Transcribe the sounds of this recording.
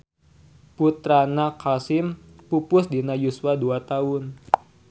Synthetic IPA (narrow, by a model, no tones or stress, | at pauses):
put̪ɾanakʰasɪm | pupʊsdinajusuaduat̪aʊn